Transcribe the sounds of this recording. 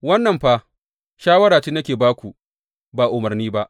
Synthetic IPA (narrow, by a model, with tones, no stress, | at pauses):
wɐ˦nːɐ˨mɸa˦ | ʃaː˦wɐ˦ɽaː˨t͡ʃiː˦nɐ˦kʲeː˨baː˦kʷu˨ | baː˨ʔʊ˨mɐ˨rniː˦ba˦ʔ